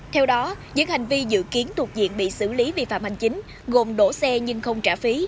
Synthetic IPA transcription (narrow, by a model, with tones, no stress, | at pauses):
t̪ʰɛ˧wɗɔ˨˦zɨ̰˧˥ŋha˨˩jŋ̟vi˧zɨ̰˧˨ki˨˦ənt̪u˨˩ək̚zḭ˧˨ənɓḭ˧˨sɨ̰˧˩li˨˦vḭ˧˨˩fa̰ː˧˨mha˨˩jŋ̟t͡ɕï˨˦ŋ̟ | ɣo˨˩mɗo̰˧˥˩sɛ˧ɲɨ˧ŋxə˧wŋ͡mt͡ɕaː˧˩fi˨˦